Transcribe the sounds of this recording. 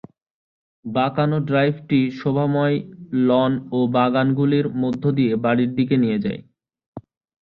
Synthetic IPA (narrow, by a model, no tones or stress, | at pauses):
bakanoɖɾajbʱʈiʃobʱamɔelɔnobaɡanɡuliɾmod̪ʱːod̪ijebaɽiɾd̪ik̬enijed͡ʑa̰e